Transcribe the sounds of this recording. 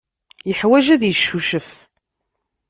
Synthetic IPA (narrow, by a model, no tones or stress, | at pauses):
jəħwæʒæðjəʃːuʃəf